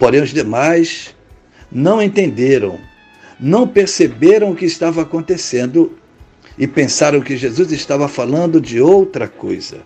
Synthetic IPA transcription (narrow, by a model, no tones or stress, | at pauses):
poɾẽj̃ʊzd̪emajs | nɐ̃w̃ẽnt̪ẽnd̪eɾɐ̰̃w̃ | nɐ̃w̃peɾsebeɾɐ̃w̃ʊkɪːst̪avɐːkõnt̪esẽnd̪ʊ | ɪpẽsaɾɐ̃w̃kɪʒezuzɪʃt̪avɐfalɐ̃nd̪ʊd͡ʒɪowt̪ɾɐko̰jzɐ̰